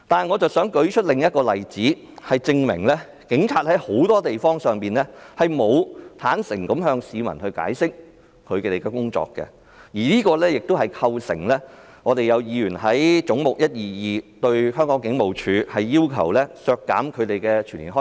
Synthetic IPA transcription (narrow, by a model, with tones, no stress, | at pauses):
t̪aː˨nŋɔː˨˧t͡sɐ˨wsœː˨˥ŋkɵ˨˥ɥt͡ʃʰɵ˥t̚lɪ˨˩ŋjɐ˥t̚kɔː˧lɐ˨˩jt͡siː˨˥ | hɐ˨˩jt͡sɪ˧ŋmɪ̰˨˩ŋlɛː˥ | kɪ˨˥ŋt͡sʰaː˧t̚hɐ˨˥jho˨˥wt̪ɔː˥t̪e˨jfɔː˥ŋsœː˨ŋpiː˨˩nlɛː˥hɐ˨jmo˨˧wt̪ʰaː˨˥nsɪ˨˩ŋkɐ˨˥mhœː˧ŋsiː˨˧mɐ̰˨˩nhɵ˧ɥka̰ː˨˥jsɪ˥k̚ | kʰɵ˨˧ɥe˧t̪e˨˩kɛ˧kʊ˥ŋt͡sɔ̰ː˧kːɛ̰˧ | jiː˨˩niː˥kɔː˧lɛː˥jɪ˨k̚t̪o˥whɐ˨˩jkʰɐ˧wsɪ̰˨˩ŋlɛː˥ | ŋɔː˨˧t̪e˨jɐ˨˧wjiː˨˧ɥyː˨˩nɦɐ˨˥jt͡sʊ˨˥ŋmʊ˨k̚jɐ˥t̚jiː˨˩jiː˨˧t̪ɵ˧ɥhœː˥ŋkɔː˨˥ŋkɪ˨˧˥ŋmo˨˩wt͡ʃʰyː˨˧˥hɐ˨jːiː˥wkʰɐ̰˨˩wlɛː˥sœː˧kːa̰ː˨˥mkʰɵ˨˧ɥt̪e˨jkɛː˧t͡ʃʰyː˨˩nlḭː˨˩ɦɔ˥